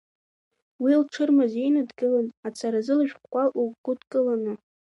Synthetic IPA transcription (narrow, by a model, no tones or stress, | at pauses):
wilʈ͡ʂʰɨrmaze̞jnadɡɨlanat͡sʰaɾazɨlaʒᶣχʷkʷʼaʔuɡʷʊdkʼɨlanɨ